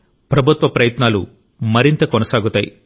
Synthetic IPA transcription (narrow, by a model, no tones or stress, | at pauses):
pɾɐbʱut̪ʋɐpɾɐjɐt̪naːlu | mɐɾint̪ɐkonɐsaːɡut̪aːjḭ